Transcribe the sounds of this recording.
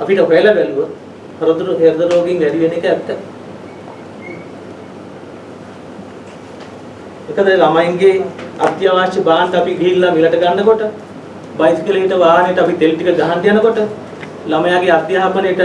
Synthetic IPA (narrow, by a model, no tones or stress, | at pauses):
apiʈəɦojelɐbæluʋə | hɐɾod̪uɾuɦeɾd̪əɾoːɡeŋʋæɖiʋenekəæpitə | mekəd̪əlamajiŋɡea̰d̪jaʋaːʃɐbaːnʈ̪əapiɡiilːamilɐʈəɡanːəkoʈə | bajt̪u̥kileiʈəʋaːɦnejʈəapit̪elʈikəɡaɦant̪ijanəkoʈə | lamɐjaːɡead̪jaɦapənejʈə